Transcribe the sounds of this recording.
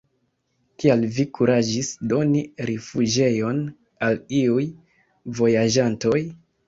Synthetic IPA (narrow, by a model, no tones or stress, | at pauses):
kialvikuɾad͡ʒisdo̞niɾefud͡ʒe̞jo̞n | aliuj | vo̞jad͡ʒanto̞j